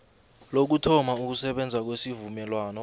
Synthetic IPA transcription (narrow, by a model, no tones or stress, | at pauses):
lok̬utʰɔmauk̬usɛɓɛnd͡zʱak̬wesivumɛlwaːnɔ